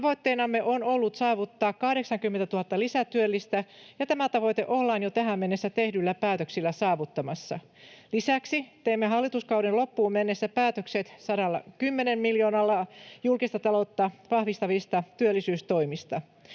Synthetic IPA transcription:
t̪ɑʋoit̪ːeinɑmːeʔonolːut̪sɑːʋut̪ːɑːkkɑhɾeksɑŋkymːent̪æt̪uhɑt̪ːɑlisæt̪yølːist̪æjɑt̪æmæt̪ɑʋojt̪eʔolːɑːnjot̪æɦæmmenːesːæt̪ehdylːæpæːt̪øksilːæsɑːʋut̪ːɑmɑsːɑ̰ | lisæksit̪eimːeɦɑlːit̪uskɑwɾenlopːuːmmenːesːæpæːt̪økset̪sɑɾɑlːɑ̰kymːenemmiljoːnɑlːɑjulkist̪ɑt̪ɑlot̪ːɑʋɑhʋist̪ɑʋist̪ɑt̪yølːisyːst̪oimist̪ɑ

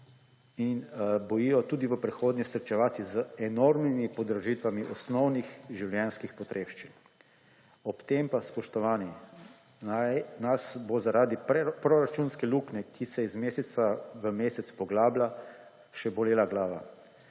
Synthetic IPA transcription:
inbɔjijɔt̪uːd̪iʋəpɾɛxoːd̪nʲɛsɾt͡ʃɛʋaːt̪izəɛnoɾmimipɔd̪ɾɔʒit̪ʋamiʔɔsnɔwnixʒiwljɛnskixpɔt̪ɾʔeːʃt͡ʃin | ɔpt̪empaspɔʃt̪ɔʋaːni | nasbozaɾaːd̪ipɾoɾat͡ʃuːnskɛluknɛkisɛizmeːsɛt̪saʋəmeːsɛt̪spɔɡlaːbla | ʃɛbɔleːlaɡlaːʋa̰

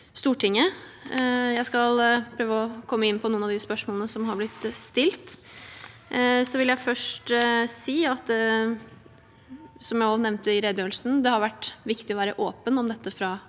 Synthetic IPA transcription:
st̪uːʈʰɪŋːə | jæɪskɑlpʰɾøːʋəɔkʰɔmːəɪnːpʰɔnuːənɑʋd̪ɪspœʂmoːlənəsɔmɦɑɾblɪt̪ːst̪ɪlt̪ | sɔʋɪljæɪfœʂʈsiːɑt̪d̪ɛ | sɔmjæɪɔnɛʋnt̪əɪɾeːd̪øːlsn̩d̪ɛhɑɾʋæʈːʋɪkt̪ɪɔʋæːɾəʔoːpənɔmd̪ɛt̪ːəfɾɑ

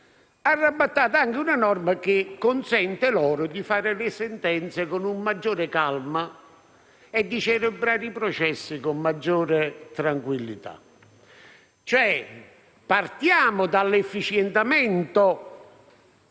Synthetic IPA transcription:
arːabːat̪ːaːt̪aaŋk̟ɪunanɔrmak̟ɪkːʊnsɛnt̪ɪlɔːɾʊd̪ifaːɾɪlɪsɛnt̪ɛnt̪sekʊnumːad͡ʒːɔːɾɪkalma | ɛd̪ːit͡ʃɛlɪbɾaːɾipɾɔt͡ʃɛsːikʊmːad͡ʒːɔːɾɪt̪ɾaŋkwilːḭt̪a̰ | t͡ʃoɛ | part̪jaːmʊd̪alːefːit͡ʃjɛnt̪amɛnt̪o

